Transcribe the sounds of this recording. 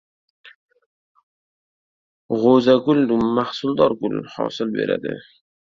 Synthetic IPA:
ɣozaɡʊld̪umːahsuld̪ɑɾɡʊlhɑ̰sɪlwḛːɾa̰d̪e

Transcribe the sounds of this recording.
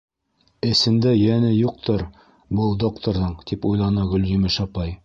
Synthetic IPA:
ɘ̆sɘ̆nd̪æjænɘjuq̚t̪ʰɤɾ | bɤlˠd̪okt̪oɾðɤɴt̪ipujlˠɑnɤɡɵ̆ljɵmɘʃɑpɑj

